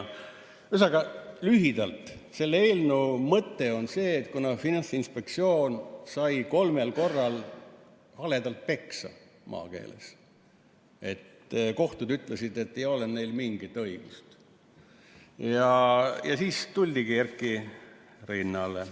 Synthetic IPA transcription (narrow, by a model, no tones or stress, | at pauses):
ysɑɡɑlyɦid̪̥ɑlt̪se̞lːee̞ːlnumɤt̪ːe̞o̞nse̞ːt̪kunɑfinɑnsinspe̞kt̪sio̞ːnsɑjko̞lme̞lko̞rːɑl | hɑle̞d̪ɑlt̪̚pe̞ksɑ̰ | mʔɑ̰ːke̞̰ːlḛs | e̞t̪ | ko̞ht̪ud̪yt̪ˑlesid̪e̞t̪ːejo̞lenne̞jlmiŋɡ̥it̪ːɤ̞iɡ̥ust̪ | jɑjɑ̰siːst̪ulʲd̪̥iɡ̥iærkːˑi | rinːɑle